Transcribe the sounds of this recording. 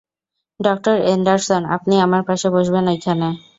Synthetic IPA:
ɖɔk̚ʈoɾenɖaɾsona̰pniamaɾpaʃeboʃbenejkʰane

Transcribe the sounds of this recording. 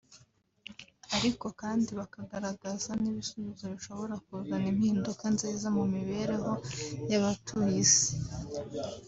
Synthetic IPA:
aɾiko̞kaːndiβakaɡaɾaɡazaniβisuβizo̞βiʃo̞βo̞ɾakuɡanimhiːndukanziːzamumiβe̞ɾe̞ɦo̞jaβatʰuize̥

